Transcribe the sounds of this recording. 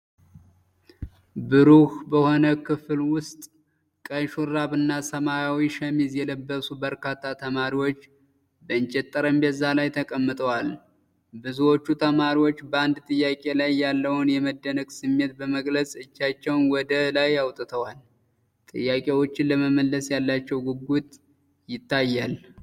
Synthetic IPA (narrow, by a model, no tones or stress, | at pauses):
bɨɾuhbəho̞nəkʰɨfɨlwʊst̪ʼ | kʼəjʃuɾaβɨnːasəmajawiʃəmizjɛləbːəsubəɾkʰat̪ʰːat̪ʰəmaɾiwo̞t͡ʃː | bəɨnt͡ʃʼɛt̪ʼːəɾəmbəzːalajt̪ʰəkʼəmːɨt̪ʼəwal | bɨzuwo̞t͡ʃːut̪ʰəmaɾiwo̞t͡ʃːbəand̪t̪ʼɨjːakʼe̞lajːalːəwʊnjɛməd̪ːənəɡsɨmːe̞t̪bəməɡlət͡sʼɨt͡ʃːat͡ʃːɛwnwɔd̪əlajawt̪ʼɨt̪ʰəwal | t̪ʼɨ̰jːakʼe̞wo̞t͡ʃːɪnləməməlːəsjalːat͡ʃːɛwɡɨɡut̪ʼ | jɪt̪ʰːajːal